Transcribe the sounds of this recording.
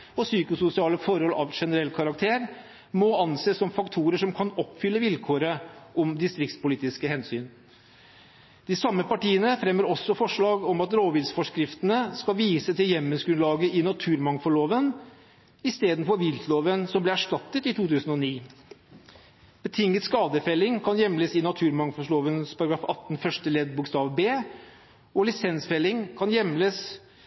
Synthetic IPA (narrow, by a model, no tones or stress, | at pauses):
ɔsyːkʊsʊsɪɑːləfɔɾhɔlʔɑ̰ʋʂɛnəɾɛlːkʰɑɾɑk̚t̪ʰeːɾ | mɔɑnseːsːɔmfɑkt̪ʰuːɾəʂɔmkʰɑnɔpfʏlːəʋɪlkʰoːɾəʔɔmd̪ɪst̪ɾɪkt̪spʊliːt̪ɪskəhɛnsyːn | d̪̥ɪsɑmːəpɑʈiːənəfɾɛmːəɾɔsːɔfɔʂɭɑːɡɔmɑt̪ɾoːʋɪsfɔʂkɾɪft̪ənəskɑʋiːsət̪ʰɪljɛmːənsɡɾʉnlɑːɡəʔɪnɑt̪ʰʉːɾmɑŋfɔɭoːʋən | ɪst̪eːd̪n̩fɔɾʋɪlt̪loːʋənsɔmblɛæʂʈɑt̪ːət̪ɪt̪uːt̪ʉːsən̩ɔniː | b̥ət̪ʰɪŋːət̪skɑːd̪əfɛlːɪŋkʰɑnjɛmləsɪnɑt̪ʰʉːɾmɑŋfɔʂɭoːʋənspʰɑɾɑɡɾɑːfɑt̪ːnfœʂʈəlɛd̪̚bʊkst̪ɑːʋbeː | ɔlɪsɛnsfɛlːɪŋkʰɑnjɛmləs